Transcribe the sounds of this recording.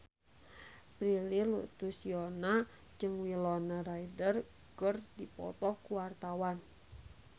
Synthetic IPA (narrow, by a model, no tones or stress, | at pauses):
pɾililṵt̪usiɔna | d͡ʒɨŋwilɔnaɾaidər | kərdipɔ̰t̪ɔkuwart̪awan